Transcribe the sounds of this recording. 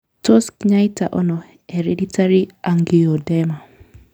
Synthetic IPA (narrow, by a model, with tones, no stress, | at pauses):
tɔ˦skɲa˦jta̰˨ʔɔ˦nɔ˨ | e˨ɾeditʰa˦ɾi˦a˨ŋɡi˨ɔ˨dɛma˨